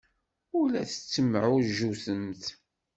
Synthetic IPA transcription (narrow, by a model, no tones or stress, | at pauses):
ʊlæ̰θə̥t͡sːəmːʕʊʒusəmθ